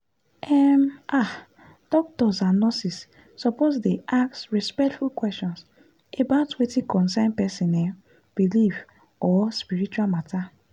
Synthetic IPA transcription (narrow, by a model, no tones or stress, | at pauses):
ɛma | d̥ɔk̚tɔsãnnːɔsisː | ɔpozdeʔaksɹɛspɛk̚tfulkwɛstɔ̃ns | ebaʊtwetikɔ̃nsɛ̃npɛsĩnɛ | b̥ilif | ɔspiɹit͡ʃuwalmata